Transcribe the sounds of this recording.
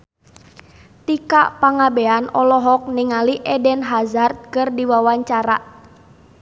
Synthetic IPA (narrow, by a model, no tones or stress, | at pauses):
t̪ika̰ʔpaŋabɛanɔlɔɦɔk̚niŋaliʔɛdɛnɦazart̪̚kɨrdiwawaɲt͡ʃaɾa̰ʔ